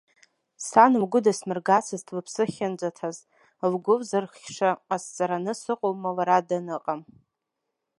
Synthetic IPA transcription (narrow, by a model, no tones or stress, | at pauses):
sanuwɡʷʊdasmɨrɡat͡sʰɨztʰlɨpʰsɨχʲɪnd͡ʒʷatʰaz | lɡʷʊvzɨrχʲʂaːst͡sʼaɾanɨsɨqʼowmalaɾadanɨqʼam